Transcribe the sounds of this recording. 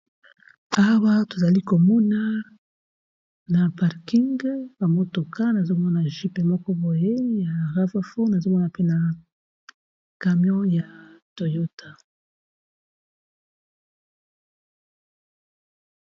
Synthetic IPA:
a˦wa˦to˨za˨li˦ko˨mu˦na˦ | na˨pa˨ʁki˦ŋɡba˨mo˦to˨ka˦na˨zo˦mɔ˦na˨ʒi˦pe˨mɔ˦kɔ˦bo˨je˦ja˨ʁa˦va˦fo˦na˨zo˦mɔ˦na˨pe˦na˨ | ka˨mjɔ̃˦ja˨to˨jo˦ta˨

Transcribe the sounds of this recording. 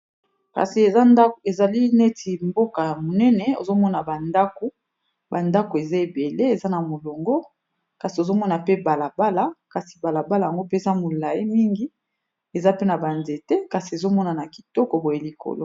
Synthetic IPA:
ka̰˨si˨e˨za˦a˦e˨za˨li˦ne˦tʰi˨mbo˦ka˨ja˨mo˨nɛ˦nɛ˨o̰˨zo˦mɔ˦na˨ba˨nda˦ko˨ | ba˨nda˦ko˨e˨za˦e˨be˨le˦e˨za˦na˨mo˨lo˨ŋɡo˦ | ka˨si˨o˨zo˦mɔ˦na˨pe˦ba˨la˨ba˦la˨ka˨si̥˨ba˨la˨ba˦la˨ja˨ŋɡo˦pe˦e˨za˦mo˨la˨i˦mi˦ŋɡi˨˦ | e˨za˦pe˦na˨ba˨nze˨te˦ka˨si˨e˨zo˦mɔ˦na˨na˨ki̥˨tɔ˦kɔ˨bo˨je˨li˨ko̰˨lo˦

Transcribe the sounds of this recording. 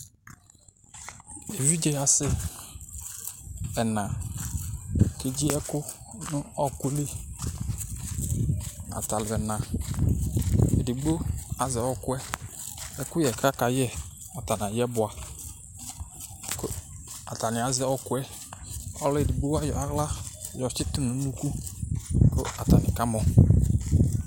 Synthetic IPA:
e˨vi˦d͡ʒe˨a˨sɪ˦ | ɛ˨nã˨ | ke˦d͡ʒi˦ɛ˦kʊ˦ | nʊ˦ɔ˦kʊ˦li˦ | a̰˨ta˨lɪ˨bɛ˨nã˨ | ḛ˨di˨ɡ͡bo˦a˨zɛ˨ɔ˨kʊ˦ɛ˦ | ɛ˦kʊ˦jɛ˨kɾa˦ka˨jɛ˦ | a˨ta˨nã˨jɛ˦bʊ˨a˨ | ko˦a̰˨ta˨nɪ˨a˨zɛ˨˦ɔ˦kʊ˦ɛ˦ | ɔ̰˦le˨di˨ɡ͡bo˦wa˦jɔ̰˨a˨˦ɣla˦˨jɔ˨t͡ʃɪ˦tʊ˦mnʊ̃˨˦nu˨˦ku˦ | ko˦a˨ta˨nɪ̃˨ka˦mɔ˨

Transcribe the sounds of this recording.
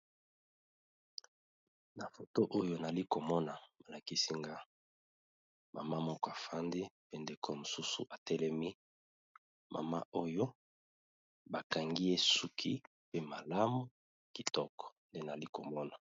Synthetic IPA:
na˨fo˨to˦ʔo˦jo˦na˨li˦ko˨mɔ˦na˨ma˨la˨ki˦si˦ŋɡa˦ | ma̰˨ma˦mɔ˦kɔ˦a˨fa˦ndi˦pe˦nde˨kʰo˦mo˨su˦sṵ˨ʔa˨tɛ˦lɛ˦mi˦ | ma̰˨ma̰˦ʔo˦jo˦ | ba˨ka˨ŋɡi˦e˦su˦kʰi˦ | pe˦ma˨la˦mu˦ | ki˨tɔ˦kɔ̥˨nde˦na˨li˦ko˨mɔ˦na˨

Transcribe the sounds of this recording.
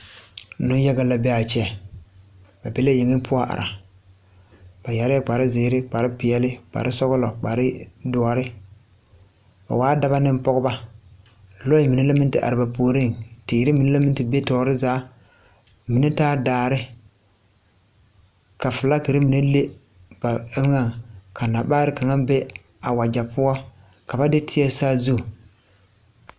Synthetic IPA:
nʊ˦ja˦ɡa˦la˨bɛ˦a˨t͡ʃɛ˦˨ | ba˨be˦la˦je˨ŋɪ˦pʰʊ˦a˦ʔa̰˨ɾʔa˨ | b̥a˨ja˨ɾɪ˦a˦k͡pa˨ɾɪ˦zɪː˨˦ɾɪ˦k͡pa˨ɾɪ˦pɪ˨ɛ˦lɪ˦k͡pa̰˨ɾɪ˦sɔ˦ɣʊ˦lɔ˨k͡pa˨ɾɪ˦dʊ˨ɔ˨ɾɪ˦ | ba̰˨waː˦da˦ba˦nɪ˦m˦pɔ˦ɣʊ˦ba˦ | lɔ˦ɪ˦mi˨nɛ˦la˦mɪ˦ntɪ˦ʔa̰˨ɾɪ˨ba˨poː˨˦ɾi˦˨ŋtiː˨ɾɪ˦mi˨ne˦la˦mɪ˦n˦tɪ˨be˦tɔː˨ɾɪ˦zaː˨˦ | mi˨ne˦taː˦daː˨ɾɪ˦ | ka˨fɨ˨la˦ki˨ɾɪ˦mi˨ne˦le˦ | b̥a˨˦ŋa˨ŋka˨na˨baː˦ɾɪ˦ka˨ŋa˦be˦ | a˨wa˨d͡ʒa˨pʊ˦ɔ˦ | ka˨ba˦dɪ˦tʰɪ˦ɛ˦saː˦zu˦˨

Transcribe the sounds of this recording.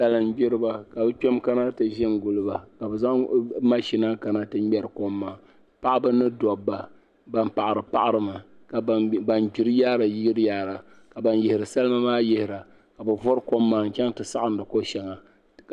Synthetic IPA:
sa˦lɨ˦mɡ͡bɪ˦ɾɨ˦ba˨ka˨bɨ˦k͡pɛ˦mka˦na˦tɨ˨ʒɪ˦nɡʊ˨lɨ˦ba˨ka˨bɛ˨za˦ŋma˦ʃi˦na˦ka˨na˦tɨ˦mɛ˨ɾɨ˨ko˦mːa˨ | pa˦ʔa˦bɨ˦nɨ˦dɔ˨bːa˨ | ba˦npa˨ʔa˨ɾɨ˨pa̰˦ʔa˦ɾɨ˦ma˨ | kba˨nɡ͡bi˨ɾɨ˦jaː˦ɾa˨ji˦ɡi˦ɾjaː˦ɾa˨ | ka˨ba˦njɪ˨hɪ˨ɾɨ˨sa˦lma˦maː˦jɪ˦hɪ˨ɾa˨ | ka˨bɨ˨vɔ˦ɾko˦mːaː˨n˨kʲɛ˦ŋtɨ˨sa̰˦ʔa˦n˦dɨ˨ko˦ʃɛ˨ŋa˨

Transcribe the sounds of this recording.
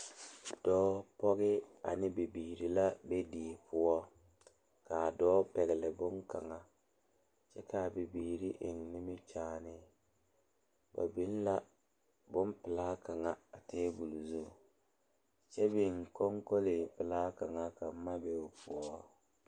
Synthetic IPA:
d̥ɔː˦pɔ˦ɣɪ˦a̰˨nɪ˦bi˨biː˨ɾi˨la˦be˦diː˨pʰʊ˦ɔ˦ | kaː˨dɔː˦pɛ˨ɣɪ˨lɪ˨bʊ˦ŋka̰˨ŋa˨ | t͡ʃɛ˦kaː˨bi˨biː˨ɾi˦ʔɪ˨ŋnɪ˦mɪ˦t͡ʃaː˨˦˨nɪ˦ | ba̰˨bi˨˦n˦la˦ | bʊ˦mpɪ˨laː˦ka˨ŋa˨a˨teː˦bu˨lzu˦˨ | t͡ʃɛ˦bɪ˨ŋ˨kɔ˦ŋko˦lɪ˨pɪ˨laː˦ka˨ŋa˨ka˨m̩˦ma˦be˨ʊ˨pʰʊ˦ɔ˦

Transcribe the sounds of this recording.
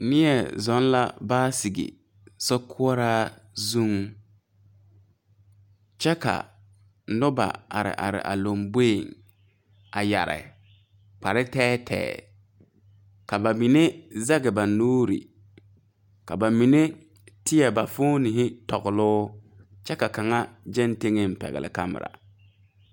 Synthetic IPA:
nɪ˦ɛ˨zɔ˦n˦la̰˦baː˦si˨ɡɪ̰˨ | sɔ˦kʰʊ˦ɔ˦ɾaː˦zu˦ŋ | t͡ʃɛ˦ka̰˨˦ | nʊ˦ba̰˨a˨ɾɪ̰˨ʔa̰˨ɾɪ̰˨ʔa̰˨lo˨mbe˦˨ŋ | a˨ja̰˨ɾɪ̰˨ | k͡pa˨ɾɪ˦tɛː˦tʰɛ̰ː˦˨ | ka˨ba˨mi˨ne˦za˦ɣɪ˨ba˨noː˦ɾḭ˨ | ka˨ba˨mi˨ne˦ | tɪ˦jɛ˨ba˨fʊ˦nɪ˨ɦɪ˦tɔ˨ɣʊ˨lʊː˦ | t͡ʃɛ˦ka˨ka˨ŋa˦d͡ʒɛ˦nte˦ŋe˦m˨pɛ̰˨ɣɪ̰˨lɪ̰˨ka˦mɪ̰˨ɾa̰˨

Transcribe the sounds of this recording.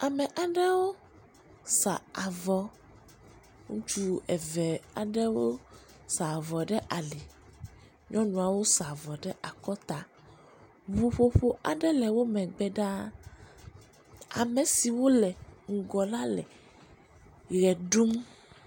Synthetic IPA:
a˨mɛ̃˨ʔa˨ɖɛ˦wo˦ | sa̰˨a˨vɔ˨ | ŋũ˦t͡ʃu˦ɛ˨vɛ˨a˨ɖɛ˦wo˦ | sa˨vɔ˨ɖɛ˦ʔa˨li˨ | ɲɔ̃˦nũ˨a˨wo˦sa˨vɔ˨ɖɛ˦ʔa˨kɔ˦t̪a˦ | βu˨ɸo˦ɸo˦ʔa˨ɖɛ˦lɛ˨wo˦mɛ̃˨ɡ͡bɛ˦ɖa˦ | a̰˨mɛ̃˨si˨wo˦lɛ˨ŋ̩˨ɡɔ˨la˦lɛ̰˨ | ɣɛ˨ɖu˦m

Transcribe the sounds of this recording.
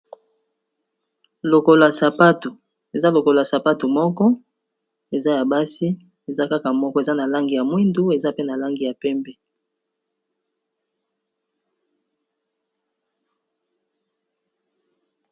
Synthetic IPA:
lo˨ko˦la˨sa˨pa˦tu˨ | e˨za˦lo˨ko˨la˨sa˨pa˦tu˨mɔ˦kɔ˦ | e˨za˦ja˨ba˦si˦ | e˨za˦ka˦ka˨mɔ˦kɔ˦e˨za˦na˨la˦ŋɡi˨ja˨mwi˦ndu˦e˨za˦pe˦na˨la˦ŋɡi˨ja˨pɛ˦mbɛ˦

